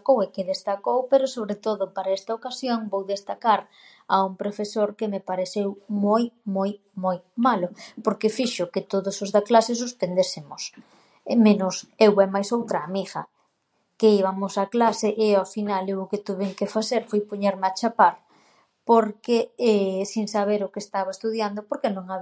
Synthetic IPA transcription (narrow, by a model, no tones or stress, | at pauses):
kowɛkɪðest̪akowpeɾʊsoβɾet̪oðʊpaɾaɛst̪aokasjoŋbowðest̪akaɾ | auŋpɾofesoɾkɪmepaɾeθewmojmoj | mojmalʊpoɾkɪfiʃʊkɪt̪oðʊsʊzðaklases̬uspend̪esɪmʊs | menʊsewɛmajsowt̪ɾaːmixɐ̰ | keiβamʊsaklaseʔɪafinalewʊket̪uβeŋkɪfaθeɾfojpoɲeɾmeat͡ʃapaɾ | poɾkeɛsiŋsaβeɾʊkest̪aβaest̪uðjand̪ʊpoɾkenõŋa